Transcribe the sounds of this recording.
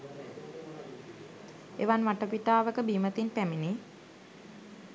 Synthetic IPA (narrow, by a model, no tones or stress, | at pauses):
eʋanʋaʈəpiʈaːʋəkəbimət̪inpæmini